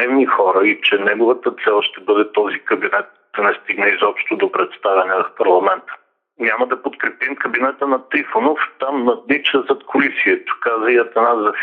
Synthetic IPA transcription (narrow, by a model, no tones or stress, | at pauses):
ɛvnixɔɾəit͡ʃɛnɛɡʊvɐt̪ət̪sɛlˠʃt̪ɛbɤd̪ɛt̪ɔzikɐbinɛt̪̚d̪̥ɐnɛst̪iɡnɛizɔpʃt̪od̪opɾɛt̪st̪avɛnɛvɐfpɐɾlˠɐmɛnt̪ə̥ | nʲamɐd̪ɐpot̪kɾɛpimkɐbinɛt̪ənɐt̪ɾifonoft̪amnɐd̪nit͡ʃɛzɐt̪kʰʊlisiɛt̪ʊ̥kazvɐjɐt̪ɛnazɐf